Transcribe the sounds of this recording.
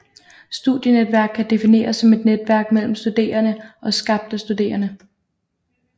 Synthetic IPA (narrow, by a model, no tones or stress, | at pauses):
sd̥uð̥ˠjəned̥ʋæɐɡ̥̚kʰːæd̥e̝fine̝̰ːɐsːɒ̽me̝d̥ned̥ʋæɐ̰ɡ̥̚mel̰m̩sd̥ud̥e̝̰ːɐnəʔɒ̽sɡ̥ɑ̈b̥̚d̥əsd̥ud̥e̝̰ːɐnə